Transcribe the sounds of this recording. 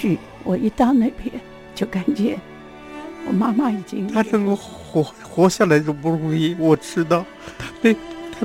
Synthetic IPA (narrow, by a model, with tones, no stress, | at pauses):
ɻ̩˥˩ | wɔ˨˩i˧˥t̪ɑ˥˧ʊna˥˩ɪpjɛ˥ | t͡ɕjo˥˩ʊka˨˩nt͡ɕjɛ˧˥˦ | wɔ̰˨˩ma˥ma˥˧i˨˩t͡ɕi˥ŋt̪ʰa˥nə˥ŋko˥˧˩ | xɔ˧˥ | xwɔ˧˥ɕja˥˩la˧˥ɪʈ͡ʂo˥˩p̬u˥˩ɻu˧˥i˥˩wɔ˨˩ʈ͡ʂɻ̩˥t̪̬ɑ˥˩ʊt̪ʰa˥pe˥˩ɪt̪ʰa˥